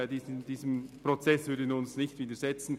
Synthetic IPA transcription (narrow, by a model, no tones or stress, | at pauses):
diːdiːzəmpɾot͡sɛsv̥ʏɾdəʊnsnɪçtv̥iːdəɹzɛt͡sn̩